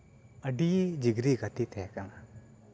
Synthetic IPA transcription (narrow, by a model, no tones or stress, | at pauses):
əɖid͡ʒiɡɾiɡat̪it̪ʰɛjakana